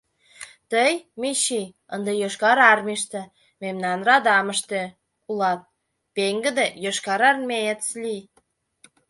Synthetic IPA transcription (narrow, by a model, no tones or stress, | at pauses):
t̪əjmiɕi | ənd̪ejøʃkɑɾɑrmiʃt̪e | memnɑnrɑd̪ɑmə̆ʃt̪e | ulɑt̪̚ | peŋɡə̆d̪ejøʃkɑɾɑrmʲejet̪slʲi